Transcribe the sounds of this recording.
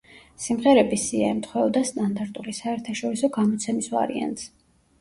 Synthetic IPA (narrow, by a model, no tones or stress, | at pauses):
simʁɛɾɛbisiaɛmt̪ʰχwɛɔd̪ast̪ʼand̪aɾt̪ʼulisaɛɾt̪ʰaʃɔɾisɔɡamɔt̪sʰɛmisva̰ɾḭa̰nt̪s